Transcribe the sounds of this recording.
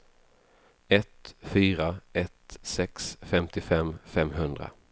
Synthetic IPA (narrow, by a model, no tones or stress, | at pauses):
ɛt̪fyːɾaɛt̪sɛksfɛmt̪ɪfɛmfɛmɦɵnd̪ɾa̰